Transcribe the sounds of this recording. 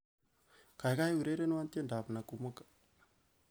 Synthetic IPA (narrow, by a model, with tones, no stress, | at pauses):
ka˨jka˦i˦wu˨ɾe˦ɾe˦n˦wa˦nte˦nda˨pna˨ku˨ma˦kḁ˨